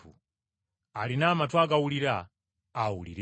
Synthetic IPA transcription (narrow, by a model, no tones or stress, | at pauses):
ṵ | alinamatʰwaɡauliɾaː | ulḭɾ